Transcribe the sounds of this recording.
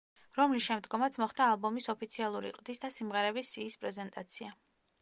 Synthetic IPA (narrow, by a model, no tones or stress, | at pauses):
ɾɔmlisʃɛmd̪ɡɔmat̪sʰmɔχd̪aːlˠbɔmisɔpʰit̪sʰialˠuɾḭqʼd̪isd̪asimʁɛɾɛbisiːspʼɾɛzɛnt̪ʼat̪sʰia